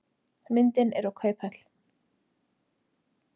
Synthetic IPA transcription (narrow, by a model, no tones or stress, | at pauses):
mɪnt̪ɪnɛ̰ɾɔwkʰœːɥpɛt̪l̥